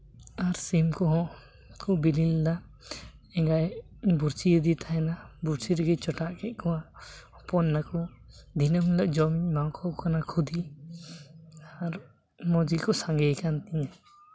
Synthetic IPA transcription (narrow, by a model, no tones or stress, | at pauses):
aɾsimkɔɦɔ̃ʔ | kʰubilild̪a | ɛŋɡaj | buɾsiəd̪it̪ʰaɦɛnabuɾsiɾɛɡɛt͡ʃɔʈaʔkɛt̪̚kɔwaɔpɔnːakɔd̪ʱinəmulaʔd͡ʒɔmimawkʰɔkanakʰud̪i | aɾ | mɔd͡ʒilkɔsaŋɡɛjkant̪ɛɲa